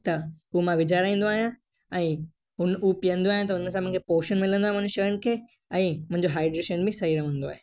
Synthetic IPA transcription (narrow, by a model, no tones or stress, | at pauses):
t̪ɐɦumãʋɪd͡ʑaːɾaːĩːn̆d̪oaːɦijã | ɛ̃ː | ʊnupijə̃nd̪oaːɦijãt̪ɐʊnəs̬ãmʊ̃ɦɪ̃ŋkʰepoːʃənmɪlə̃nd̪oaɦɪmɐ̃ɦd͡ʑʃɐjənɪ̆kʰeː | ɛ̃ːmʊ̃ɦɪ̃ɲd͡ʑoɦaːɪɖɾeːʃənbʱɪsɐɦiɾɐʋə̃nd̪oa̰ːɦeː